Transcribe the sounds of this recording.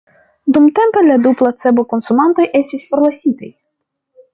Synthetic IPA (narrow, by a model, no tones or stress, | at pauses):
d̪umt̪e̞mpe̞lad̪uplat͡se̞boko̞nsumant̪o̞jʔe̞stʲisfo̞ɾlasʲit̪aj